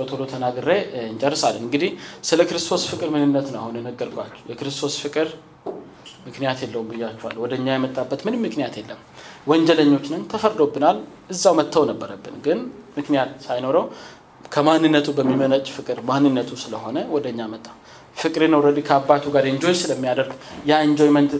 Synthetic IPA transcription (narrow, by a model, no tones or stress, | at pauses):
ot̪ʰolot̪ʰənaɡɨɾeɨnt͡ʃʼərːɨsalːənɨŋɡɨd̪ihsɨləkɨɾɨst̪ʰo̞sfɨkʼɨɾmɨnɨnːət̪nəwahunɛnəɡːəɾkʰʼʷat͡ʃːɛwjɛkɨɾɨst̪ʰo̞sfɨkʼɨɾ | mɨknijat̪jɛlːəwumbɨjːat͡ʃːuwa̰lwɔd̪əɲːajɛmət̪ʼːabːət̪mɨnɨmːɨknijat̪jɛlːəmwɔɲd͡ʒɛləɲːo̞t͡ʃːnɨnt̪ʰəfəɾd̪o̞bːɨnalʔɨzːawmət̪ʰːəwnəbːəɾəbːɨnɡɨnmɨknijat̪sajno̞ɾəw | kʰəmanːɨnːət̪ʰubəmːimənət͡ʃʼfɨkʼɨɾmanːɨnːət̪ʰusɨləho̞nəwɔd̪əɲːamət̪ʼːaw | fɨkʼɨɾenoɾəd̪ikʰəabːat̪ʰuɡaɾɨnd͡ʒo̞jsɨləmːijad̪əɾɡjaɨnd͡ʒo̞jmənt̪